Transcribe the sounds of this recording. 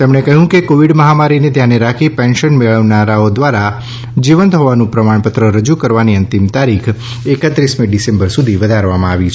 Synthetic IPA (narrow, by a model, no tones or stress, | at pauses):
t̪emɳekəɦjũkekoʋiɖməɦamaɾinet̪janeɾakʰipɛ̃nʃənmeɭəʋnaɾaod̪ʋaɾa | d͡ʒiʋənt̪ɦɔʋanũpɾəmaɳpət̪ɾəɾəd͡ʒukəɾʋaniənt̪imt̪aɾikʰ | ekət̪ɾismiɖisẽmbəɾsud̪ʱiʋəd̪ʱaɾʋamãaʋit͡ʃʰ